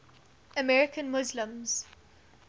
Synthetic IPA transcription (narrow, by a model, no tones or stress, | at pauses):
əmɛɹɪkə̃nmʊzlə̃mz̥